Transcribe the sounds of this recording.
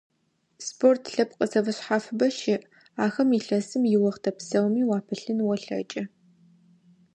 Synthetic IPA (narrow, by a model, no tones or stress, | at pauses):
spʰortʰɬɐpʰqʼəsɐvɐɕħaːfɨbɐʃɪʔ | aːxɐmiːɬɐsɨmjɪwɐʁtʰɐpsɐwmiːwaːpʰɨɬɨnwɔɬɐ̰t͡ʃʼɐ